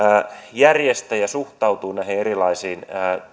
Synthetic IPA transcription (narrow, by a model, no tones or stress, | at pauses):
jærjest̪æjɑsuht̪ɑwt̪uːnæheerilɑisiːnː